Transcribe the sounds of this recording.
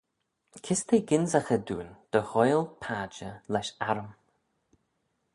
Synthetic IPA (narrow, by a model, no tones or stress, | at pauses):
kʰɪst̪ʰeːɡɪnzaxəd̪uːnd̪̥əhɔjlˠpʰaːd͡ʒəlɛʃaɾəm